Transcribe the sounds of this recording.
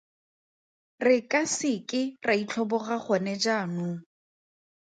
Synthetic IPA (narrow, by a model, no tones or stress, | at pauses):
rɪkʼasɪkʼɪrait͡ɬʰɔbɔχaχɔnɛd͡ʒaːnʊ